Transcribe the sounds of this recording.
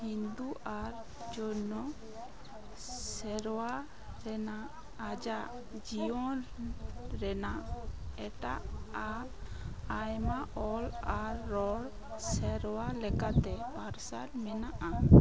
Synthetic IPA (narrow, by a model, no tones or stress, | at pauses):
hind̪uʔaɾ | d͡ʒɔnɔ | sɛɾwa | ɾɛnaʔː | d͡ʒaʔ | d͡ʒiɔ̃ | ɾɛnaʔɛʈaʔa | ajmaʔɔlaɾːɔɽ | sɛɾwalɛkat̪ɛpaɾsaɾmɛnaʔa